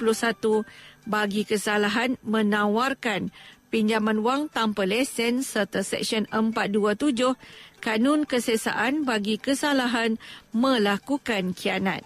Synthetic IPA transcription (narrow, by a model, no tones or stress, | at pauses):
pulʊhsat̪ubaɡikəsalaɦanmə̃nãwarkanpiɲd͡ʒamãnwaŋt̪ampəlɛsɛnsərt̪asɛ̰k̚sənəmpat̪̚duat̪ud͡ʒʊhkanʊ̃nkəsəsa̰ʔanbaɡikəsalaɦanmə̃lakukankʰiana̰t̪̚